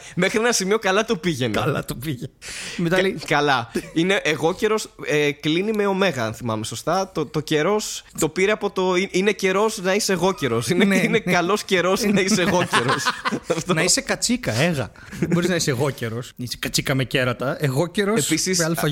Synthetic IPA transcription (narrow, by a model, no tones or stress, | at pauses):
mexɾienɐsimio̞kɐlɐt̪opiʝenḛɐlɐt̪opiʝemet̪ɐlikɐlɐine̞ʔːɣo̞ce̞ɾo̞seklinime̞o̞me̞ɣɐɐnθimɐ̰me̞so̞st̪ɐt̪ot̪o̞ce̞ɾo̞st̪o̞piɾeɐpo̞t̪o̞iine̞ce̞ɾo̞snɐiseɣo̞ce̞ɾo̞sineninekɐlo̞sce̞ɾo̞znɐiseɣo̞ceɾo̞sɐft̪onɐisekɐt͡sikɐeɣɐ̰ | ðebo̞ɾiznɐiseɣo̞ceɾo̞snise̥kɐt͡sikɐmece̞ɾɐt̪ɐeɣo̞ceɾoespisislfɐ